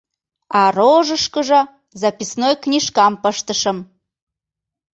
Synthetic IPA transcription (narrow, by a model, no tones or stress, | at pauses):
ɑroʒəʃkəʒɤ̆ | zɑpʲisnojknʲiʃkɑmpəʃt̪əʃə̆m